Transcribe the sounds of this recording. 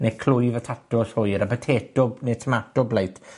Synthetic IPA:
nekʰlʊɨvətʰatɔshʊɨɾabətʰeːtɔbnetʰəmatɔblejtʰ

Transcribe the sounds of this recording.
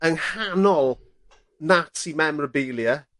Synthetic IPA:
ənhanɔlˠ | natʰimɛmrəbeːlˠjə

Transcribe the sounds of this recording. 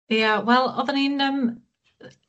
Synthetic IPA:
əwɛlˠɔðəninəm

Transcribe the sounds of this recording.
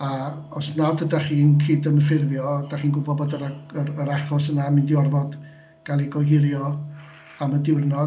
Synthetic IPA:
a | ɔsnadədaχiːənkʰiːdəməfɪrvjɔd̥aχiːnɡʊbɔbɔdəɾaəəɾaχɔsənamɪndɪɔrvɔd | ɡ̥alˠiɡɔɦɪɾjɔ | amədɪwrnɔ

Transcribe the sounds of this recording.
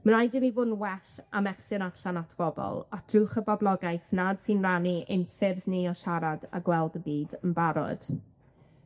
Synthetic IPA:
mənajdɪmivʊnwɛɬamɛsɨnaɬanatʰb̥ɔbɔ̰lˠad̥rʊχəbɔblˠɔɡajθnad̥sɪnraniʔejmfɪrðniɔʃaɾada̰ɡwɛlˠdəbiːdənbaɾɔ̰d̥

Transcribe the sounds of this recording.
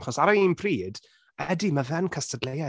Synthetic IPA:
χɔsaɾaiːnpʰriːd̥ | ɛdimavɛnkʰəstədleja

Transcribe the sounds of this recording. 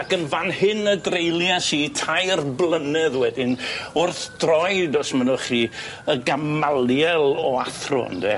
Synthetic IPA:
akənvanhɨnədrejlˠjasiːtʰajrblˠənɛðwɛdɪnʊrθd̥rɔjdɔsmənʊχiː | əɡamalˠjɛlˠɔaθrʊ̰ndɛ̰

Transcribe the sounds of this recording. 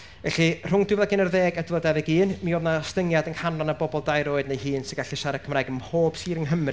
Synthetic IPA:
vɛ̰ɬir̥ʊŋdwɪvðaɡɪnərðeːɡədwədɛvɪɡiːnmioːvnastəŋjadəŋhanlˠanabɔbɔlˠdajɾoːɨdnejhiːnsɪɡaɬiʃaɾɛkʰəmraːjɡəmhoːb̥siːɾəŋɦəmr

